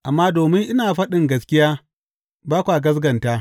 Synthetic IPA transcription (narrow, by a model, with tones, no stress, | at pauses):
ʔa˨mːaː˦doː˨mɪ˦ŋʔɪ˦naː˨ɸɐ˦ɗɪ˨ŋɡɐ˦skʲɪ˦jaː˦ | baː˦kʷaː˨ɡɐ˦s̬ɡɐ˨ntaː˦